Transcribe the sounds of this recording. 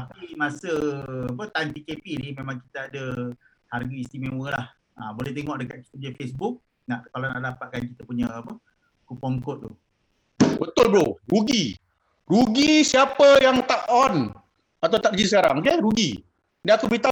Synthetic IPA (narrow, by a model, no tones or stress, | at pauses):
apimasəapət̪anp̪ikepinimemaŋkit̪aadə | harɡaist̪imewəlah | abolɛht̪eŋɔʔdəkat̪̚ki̥t̪ədiafesbuk̚ | naʔkalana̰ʔdapat̪̚kankit̪əpuɲəːpə | kupɔŋkɔt̪̚t̪u | bət̪ʊlbɾoruɡi | ruɡisiapəjaŋt̪aʔɔn | at̪awt̪ak̚d͡ʒisəkaɾa̰ŋkeɾuɡḭ | daakubit̪a